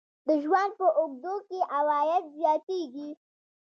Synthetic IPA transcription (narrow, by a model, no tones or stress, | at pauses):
d̪əʒwand̪̚pəʔʊɡ̚d̪okeʔawɑjat̪zjɑt̪eɡi